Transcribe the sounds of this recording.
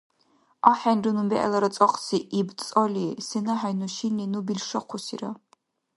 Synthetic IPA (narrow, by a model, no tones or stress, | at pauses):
aħanrɨnumbɛ̰ʔɛ̰lɐɾɐt͡sʼɔqʰʼsʰiʔːbt͡sʼɔlisɨnɐħajnuʃinːinubilʂɐqʷʰʊsḭrɐ